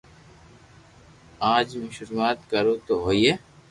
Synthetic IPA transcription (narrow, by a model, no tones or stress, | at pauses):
aːd͡ʒmũːʃʊɾmaːt̪kəɾoːt̪oːɦoːieː